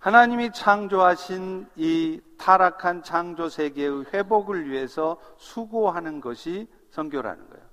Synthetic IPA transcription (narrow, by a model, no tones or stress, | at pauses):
hanaɲimit͡ɕʰaŋd͡ʑoɦaɕʰinitʰaɾakʰant͡ɕʰaŋd͡ʑosʰe̞ɡeɯɸwe̞boɡɯɭɥiɦe̞sʰʌsʰuɡoɦanɯnɡʌɕʰi | sʰʌŋɡjoɾɦa̰nɯ̰nɡʌ̰jo